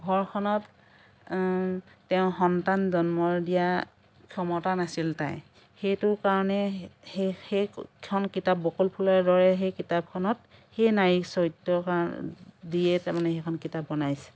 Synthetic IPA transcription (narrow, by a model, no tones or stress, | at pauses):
ɡʱɔɹkʰɔnɔt | ɛʊ̃xɔntanzɔnmɔɹdija | kʰjɔmɔtanasilta̰j | xejtʊkaɹɔnɛhexejʰɔnkitap̚bɔkulpʰulaɹdɔɹɛxejkitab̚kʰɔnɔt | xejnajiksɔtɔkadijɛtamanɛxekʰɔnkitapbɔnajsɛ̥